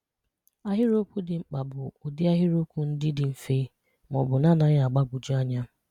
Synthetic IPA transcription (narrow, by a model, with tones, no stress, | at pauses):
a˦ɦɪ˦ɾo˦kʷu˦dɪ˨ŋ͡m̩˨k͡pa˨bʊ˨ʊ˨dɪ˦a˦ɦɪ˦ɾo˦kʷu˨n̩˦dɪ˦dɪ˨m̩˨fe˦ | mɔ˨bʊ˨na˦na˨ɲ˦a˨ɡ͡ba˦ɡu˨d͡ʒu˦a˦ɲa˦